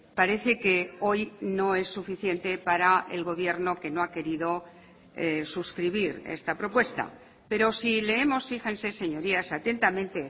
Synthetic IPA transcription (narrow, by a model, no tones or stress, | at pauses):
paɾe̞θe̞ke̞o̞jno̞e̞sːufiθje̞nt̪e̞paɾae̞̰lɣo̞β̞je̞ɾno̞ke̞no̞ake̞ɾiðo̞ | esuskɾiβ̞iɾḛst̪apɾo̞pwe̞st̪a̰ | pe̞ɾo̞sile̞emo̞sfixe̞nse̞se̞ɲo̞ɾiasat̪e̞nt̪amẽ̞nt̪e̞